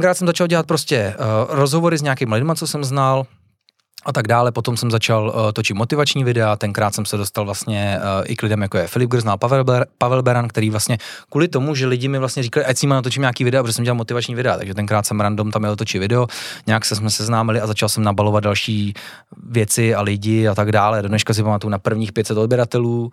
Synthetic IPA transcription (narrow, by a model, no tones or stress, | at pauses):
t̪ŋkɾaːt̪sɛmzat͡ʃalɟɛlat̪̚pɾoscɛɾozɦovoɾɪzɲaakɪːmalɪdmat͡sosɛmznal | ʔat̪aɡ̚daːlɛpo̞t̪o̞msɛmzat͡ʃalt̪ot͡ʃɪt̪mot̪ɪvat͡ʃɲiːvɪdɛat̪ɛnkɾaːt̪sɛmsɛdost̪alvlast̪ɲɛʔɪ̰klɪdɛmjakojɛfɪlɪb̚ɡɾznalpavɛlbɛɾank̚t̪ɛɾiːvlast̪ɲɛ | kuːlɪt̪o̞muʒɛlɪɟɪmɪvlast̪ɲɛɾiːkalɪʔajsɲimanat̪ot͡ʃɪmɲaːkiːvɪdɛapoʒɛsɛmɟɛlalmot̪ɪvat͡ʃɲiːvɪdɛat̪a̰ɡʒɛt̪ɛŋkɾaːt̪sɛmɾandomt̪amjɛot̪ot͡ʃɪt̪vɪdɛoɲɛaksɛsmɛsɛznaːmɪlɪazat͡ʃalsɛmnabalo̞vad̪̚dalʃiː | vjɛt͡sɪalɪɟɪat̪aɡdaːlɛdodnɛʃkas̬ɪpamat̪ujunapr̩vɲiːxpjɛt̪sɛt̪o̞d̚bjɛɾat̪ɛluː